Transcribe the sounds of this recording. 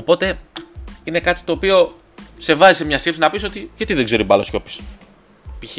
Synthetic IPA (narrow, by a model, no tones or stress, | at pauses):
opo̞t̪e̞ | ine̞kɐt̪i̥t̪o̞ːpio̞ | se̞vɐzisemɲɐst̪epsinɐpiso̞t̪iʝɐt̪iðeɡze̞ɾibɐlosco̞pi̥s | pi